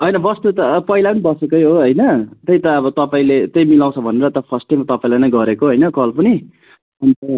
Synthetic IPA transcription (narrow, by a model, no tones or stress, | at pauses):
ɦʌjnʌbʌst̪ut̪ʌpʌɦilapʌnibʌsukʌjɦoɦʌjnʌt̪ʌjt̪ʌːbʌt̪ʌpaĩlet̪ʌjmilaw̃t͡sʰʌbʱʌneɾʌt̪ʌpʰʌrsʈːajmʌt̪ʌpaĩlanajɡʌɾekoɦʌjnʌkʌlpʌni | ʌnt̪ʌ